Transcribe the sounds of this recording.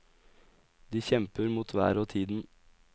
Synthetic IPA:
d̪iːçɛmpəɾmuːt̪ʰʋæ̰ːɾoːt̪ʰiːd̪n̩

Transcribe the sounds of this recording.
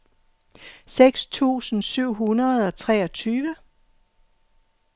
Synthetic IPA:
seɡ̥st͡sʰṵːsn̩syʊ̰ɦunɐð̩ˠɒ̽t͡sʰʁɛːɒt͡sʰyːʋə

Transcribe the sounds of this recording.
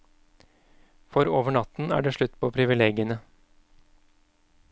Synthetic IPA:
fɔɾoːʋəɳɑt̪n̩æ̰ːɖeːʂɭʉt̪ːpʰɔːpʰɾɪʋɪleːɡɪənə

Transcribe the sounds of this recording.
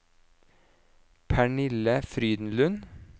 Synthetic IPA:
pʰæɳɪləfɾyːd̪n̩lʉn

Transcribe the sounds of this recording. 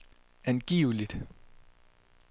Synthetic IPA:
ænɡ̥ḭːʊlid̥

